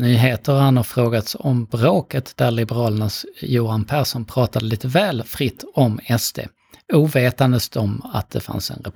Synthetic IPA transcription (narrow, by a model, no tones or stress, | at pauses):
nyːɦeːt̪əɾhanhaɾfɾoːɡat̪sɔmbɾoːkət̪d̪̥æɾlɪbɛɾɑːlənasjuːɾanpʰæɾʂɔnpʰɾɑːt̪ad̪əliːt̪əvɛːlfɾɪt̪ːɔmɛst̪ʰḛː | uːveːt̪and̪əst̪ɔma̰t̪̚d̪̥ɛfa̰nsɛ̰nɾɛ̰p